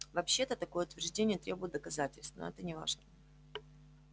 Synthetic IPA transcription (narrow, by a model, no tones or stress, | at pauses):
vɐpɕːet̪ət̪ɐko̞jəʊt̪vʲɪrʐdʲenʲɪjət̪ɾʲebʊjɪt̪̚d̪əkɐzatʲɪlʲst̪vno̰ɛt̪ənʲɪva̰ʐnə